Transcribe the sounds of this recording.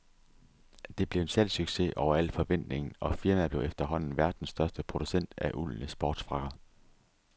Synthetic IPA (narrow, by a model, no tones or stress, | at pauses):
d̥e̝b̥le̝ʊensæl̰syɡ̥se̝ʔɒʊ̰ɐæl̰fɒ̽ʋen̰d̥ne̝ŋn̩ɒ̽fiɐmæb̥le̝ʊefd̥ɐɦɒ̽n̰n̩ʋæɐd̥n̩sd̥ɶɐsd̥əpʰʁo̝d̥usen̰d̥æʔul̰n̩əsb̥ɒːd̥sfʁɑ̈ɡ̥ɐ